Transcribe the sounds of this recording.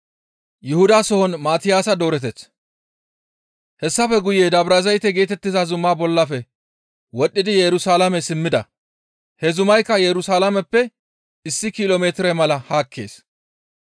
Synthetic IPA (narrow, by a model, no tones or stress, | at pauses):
jʊhʊd̪aːsɔhɔnmaːt̪ɪjaːsɐd̪oːɾɛt̪ɛt͡s | hɛsːɐfɛɡʊjeːd̪ɐbɾɐzɐjt̪ːɛɡe̞ːt̪ɛt̪ːɪzazʊmːaːbɔlːɐfɛ | wɔɗːɪd̪ɪjɛɾʊsaːlɐmɛsɪmːɪd̪ɐ̰ | hɛzʊmɐjkːɐjɛɾʊsaːlɐmɛpːɛ | ɪsːɪkɪloːmeːt̪ɾɛmɐlɐhaːkʰːe̞̰ːs